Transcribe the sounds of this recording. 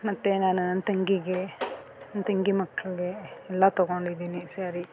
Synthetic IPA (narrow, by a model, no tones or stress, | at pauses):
mɐt̪ːenaːnunɐnt̪ɐŋɡiɡe | nt̪ɐŋɡimɐkːɐɭiɡeɛlːɐt̪ɔɡoɳɖid̪iːnisaːɾi